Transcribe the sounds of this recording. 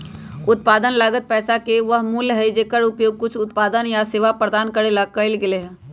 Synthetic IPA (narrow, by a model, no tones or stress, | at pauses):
ʊt̪̚paːd̪ənlaːɡət̪̚pɛːsakeʋəɦmulɦɛd͡ʒeːkəɾʊpjoːɡ̚kʊt͡ʃʰʊt̪paːd̪ənjaseːʋapɾəd̪aːnkəɾelakəɪlɡɪleɦɛ̃ː